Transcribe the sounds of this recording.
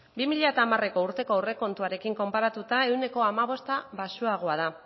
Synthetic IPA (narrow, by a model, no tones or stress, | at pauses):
bimiʎat̪aːmare̞ko̞uɾt̪e̞ko̞awre̞ko̞nt̪uaɾe̞kiŋko̞mpaɾat̪ut̪ae̞wne̞ko̞amaβ̞o̞st̪aβasuaɣ̞o̞að̞a